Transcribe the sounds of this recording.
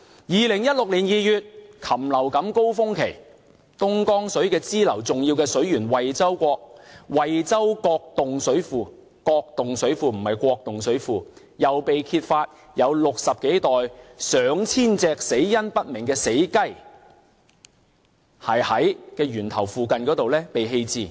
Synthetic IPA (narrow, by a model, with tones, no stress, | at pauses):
jiː˨lɪ˨˩ŋjɐ˥t̚lʊ˨k̚liː˨˩njiː˨jyː˨t̚kʰɐ˨˩mlɐ˨˩wkɐ˨˥mko˥wfʊ˥ŋkʰe˨˩j | t̪ʊ˥ŋkɔː˥ŋsɵ˨˥ɥkɛː˧t͡siː˥lɐ˨˩wt͡sʊ˨ŋjiː˧wkɛː˧sɵ˨˥ɥjyː˨˩nwɐ˨jt͡sɐ˥wkʷɔː˧k̚wɐ˨jt͡sɐ˥wkɔː˧k̚t̪ʊ˨ŋsɵ˨˥ɥfuː˨˧ | kɔː˧k̚t̪ʊ˨ŋsɵ˨˥ɥfuː˧m̩˨˩hɐ˨jkʷɔː˧k̚t̪ʊ˨ŋsɵ˨˥ɥfuː˨ | jɐ˨wpe˨jkʰiː˧t̚faː˧t̚ | jɐ˨˧wlʊ˨k̚sɐ˨p̚ke˨˥jt̪ɔː˨jsœː˨˧ŋt͡sʰiː˥nt͡sɛː˧k̚se˨˥jjɐ˥npɐ˥t̚mɪ˨˩ŋkɛː˧se˨˥jkɐ˥j | hɐ˨˩jhɐ˨˥jkɛː˧ɥyː˨˩nt̪ʰɐ˨˩wfuː˨˧kɐ˨nkɔ˨˥t̪o˨wlɛː˥pe˨jɦe˧jt͡siː˨˧